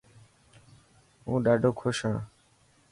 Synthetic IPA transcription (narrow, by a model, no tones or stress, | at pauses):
ɦũːɖaːɖoːkʰoʃãː